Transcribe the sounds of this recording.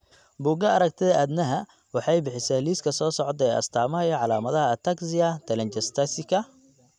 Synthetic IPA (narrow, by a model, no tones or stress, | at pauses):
buɡɐɐɾɐk̚t̪ʰɪðɐʔæd̪nɐɦɐ | wɑħɑjbɪħɪsɛːliːskʰɐsɔːsɔʕɔd̪ɛːʔɐ̰st̪ʰaːmɐɦɐjɐʕɑlaːmɐðɐɦɐt̪ʰɐksɪɐt̪ʰɛlɛnt͡ʃɛst̪ʰɐsɪkʰɐ